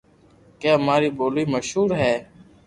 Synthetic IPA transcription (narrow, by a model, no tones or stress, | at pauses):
keːɦəmaːɾiːboːliːməʃɦuːɾɦɛː